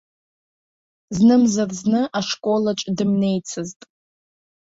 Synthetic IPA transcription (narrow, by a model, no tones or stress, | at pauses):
znɨmzarznɨʔaʂkʼo̞lat͡ʃʼdɨmne̞jt͡sʰɨztʼ